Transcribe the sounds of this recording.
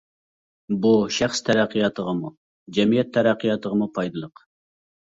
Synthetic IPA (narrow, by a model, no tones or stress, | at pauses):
buʃæχst̪ʰæɾæqʰːijɑt̪ʰəʁəmu | d͡ʒɛmijɛt̪ʰːæɾæqʰːijɑt̪əʁəmupʰɑjd̪ɨlˠəq